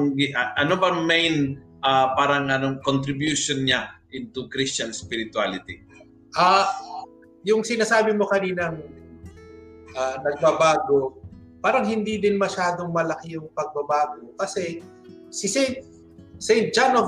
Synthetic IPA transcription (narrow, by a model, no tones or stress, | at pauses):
ɡɪʔʔɐnobɐŋmɛjn | ʔapaːɾɐŋʔɐnoŋkont̪ɾɪbjuːʃonɲaʔɪnt̪ʊkɾist͡ʃɐnspɪɾɪt̪walɪt̪i | ʔaː | jʊŋsɪnasaːbɪmo̞kɐniːnɐŋ | ʔanɐɡ̚bɐbaːɡo̞paːɾɐŋɦɪnd̪id̪ɪnmɐʃaːd̪o̞ŋmɐlɐkɪjʊŋpɐɡ̚bɐbaːɡokɐsɛ | sɪsɛ | sɛj̪̚d͡ʒano